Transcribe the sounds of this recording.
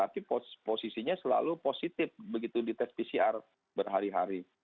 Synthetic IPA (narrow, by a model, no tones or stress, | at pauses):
t̪apiposposisiɲasəla̰luposit̪ɪfbəɡit̪udit̪ɛspisiar | bərɦaɾiɦa̰ɾi